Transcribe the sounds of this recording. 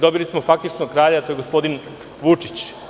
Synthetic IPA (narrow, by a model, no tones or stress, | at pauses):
d̪o̞bilismo̞fak̚t̪it͡ʃnokɾaːʎaat̪ojɡo̞spo̞d̪in | ʋut͡ʂit͡ɕ